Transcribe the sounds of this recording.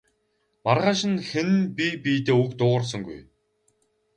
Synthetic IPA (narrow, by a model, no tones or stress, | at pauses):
marʁaːʃɪ̆nxenpʲipiːt̪eːukt̪ʊːʁə̆rs̬ə̆ŋɡṵj